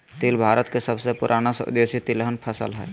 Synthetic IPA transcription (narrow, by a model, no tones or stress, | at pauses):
t̪ilbʱaɾət̪kesəbsepuɾʔanasʊ̰d̪esit̪ilɦənpʰəsə̰lɦɛ̰ː